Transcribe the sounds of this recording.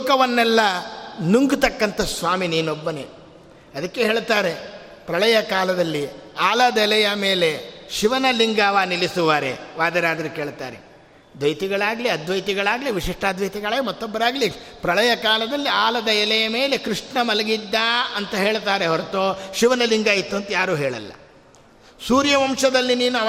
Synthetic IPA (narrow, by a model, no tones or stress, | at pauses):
kɐʋɐnːɛlːɐnuŋɡut̪ɐkːɐnt̪ɐsʋaːminiːnobːɐne | ɐd̪ɐkːeɦeːɭt̪aːɾe̞ | pɾɐɭɐjɐkaːlɐd̪ɐlːiaːlɐd̪ɐɛlɐjɐmeːle̞ʃiʋɐnɐliŋɡaːʋaːnilisuʋaːɾe̞̰ʋaːd̪ɐɾaːd̪ɐɾɐkeːɭt̪a̰ːɾe | d̪ʋɐjt̪iɡɐɭaːɡɐliɐd̪ʋɐjt̪iɡɐɭaːɡɐliʋiʂiʂʈaːd̪ʋɐjt̪iɡɐɭaːɡmɐt̪ːɔbːɐɾaːɡɐlipɾɐɭɐjɐkaːlɐd̪ɐlːiaːlɐd̪ɐɛlɐjɐme̞ːle̞kɾiʂɳɐmɐlɐɡid̪ːaɐnt̪ɐɦe̞ːɭt̪aːɾeɦɔɾɐt̪oːʃiʋɐnɐliŋɡaːjit̪ːuɐnt̪ɐjaːɾuːɦeːɭɐ̰lːɐ̰ | suːɾjɐʋɐmʂɐd̪ɐlːiniːnuɐ